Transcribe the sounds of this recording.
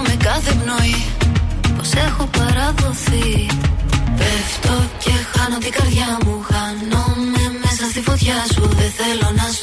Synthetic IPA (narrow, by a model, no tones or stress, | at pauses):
mekɐðepnoi | po̞se̞xo̞pɐɾɐðo̞θi | peft̪o̞ce̞xɐnot̪iɡɐɾðʝɐmuxɐnome̞me̞sɐst̪ifo̞t̪çɐsuðeθe̞lo̞nɐs